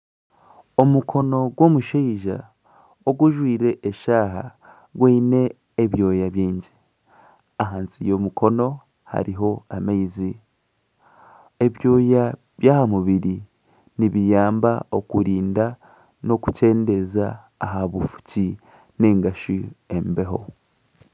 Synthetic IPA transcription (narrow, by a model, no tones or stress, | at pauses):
o̞mukʰo̞no̞ɡwo̞ːmuʃiːʒa̰ | oɡuʒwiːɾe̞ʔːʃaːɦa̰ | ɡweine̞ː | βjo̞ːjaβjiːɲɟi | aɦaːnsijo̞mukʰo̞no̞ | ha̰ɾiɦo̞ameizi | e̞βjo̞ːja | βjaːhamuβiɾi | niβijaːmbao̞kuɾiːnda | no̞ku̥ce̞ːnde̞zaː | ɦaβufu̥ci | ne̞ːŋɡaʃie̞mbe̞ɦo̞̰